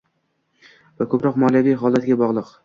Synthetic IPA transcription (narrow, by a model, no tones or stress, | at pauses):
vakʰɵpɾɒqmɒljavijɦɒlˠat̪ɡʲabɒʁlˠɨq